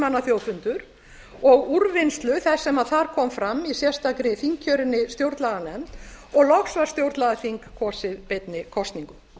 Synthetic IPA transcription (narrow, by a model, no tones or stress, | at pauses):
manːaθjoːwfʏnt̪ʏɾ | ɔɣuɾvɪnst̪lʏθɛsːɛmaðθaɾ̥kʰɔːmfɾamːisjɛ̥st̪akɾɪθiŋkcʰœːɾɪnːɪst̪jowɾt̪laɣanɛmt̪ɔɣlɔxsvaɾ̥st̪jowɾt̪laɣaθiŋkkʰːɔːsɪðpet̪nɪkʰɔst̪niŋkʏm